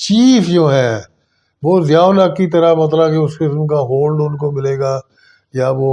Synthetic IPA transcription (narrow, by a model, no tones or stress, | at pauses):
t͡ʃiːfjõːɦɛː | ʋoːzjaːʊnəkːit̪ɐɾamɐt̪̬ləbkeʊskɪsmkaɦoːlɖʊnkomɪleːɡaː | jaʋoː